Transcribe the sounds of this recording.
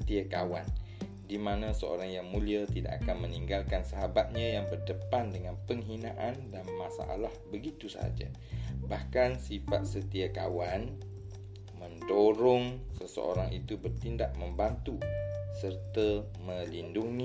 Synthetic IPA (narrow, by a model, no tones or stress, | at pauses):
t̪iakawan | dimãnãsəo̰ɾaŋjaŋmũliat̪ida̰ʔa̰kanməniŋɡalkansəɦabat̪̚ɲãjaŋbərdəpandəŋanpəŋɦinãʔandanmasa̰ʔa̰lahbəɡit̪usa̰a̰d͡ʒa̰ | bahkansifa̰t̪̚sət̪iakawan | mə̃ndoɾɔŋsəsə̰o̰ɾaŋʔit̪ubərt̪indaʔ̚məmbant̪usərt̪ə | mə̃linduŋi